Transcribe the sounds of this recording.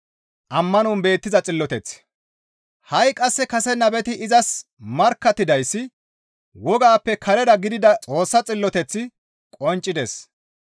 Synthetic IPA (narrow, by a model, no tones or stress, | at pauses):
ʔɐmːɐnunbe̞ːt̪ːɪzɐt͡sʼɪlːɔt̪ɛt͡s | hɐjkʼɐsːɛkɐsɛnɐbɛt̪ɪɪzɐs | mɐɾkːɐt̪ːɪd̪ɐjsːɪ | wɔɡaːpːɛkʰɐɾɛd̪ɐɡɪd̪ɪd̪ɐt͡sʼo̞ːsːɐt͡sʼɪlːɔt̪ɛt͡sːɪ | kʼɔnt͡ʃʼːɪd̪ɛs